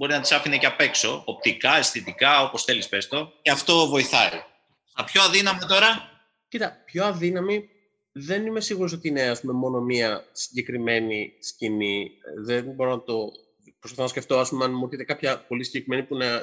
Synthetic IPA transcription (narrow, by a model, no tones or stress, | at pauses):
bo̞ɾinɐt̪isɐfineceɐpe̞kso̞op̚t̪ikɐest̪it̪ikɐo̞po̞sθe̞lispe̞st̪o̞ceɐft̪o̞vo̞iθɐi | ɐpçoɐðinɐmɐt̪o̞ɾɐ | cit̪ɐpço̞ɐðinɐmi | ðe̞nime̞siɣuɾos̬o̞t̪iine̞ɐspume̞mo̞no̞miɐsi̥ɲɟe̞kɾime̞nisciniðenbo̞ɾo̞nɐt̪o̞ | pɾospɐθɐnɐsce̞ft̪o̞ɐspumeɐnmoθit̪ekɐpçɐpo̞lisiɲɟekɾime̞nipunɐ